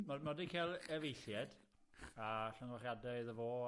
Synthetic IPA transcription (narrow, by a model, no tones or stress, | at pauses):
mamadikʰelˠɛvejɬjɛd̥ | aɬəŋwaχjadaðəvoː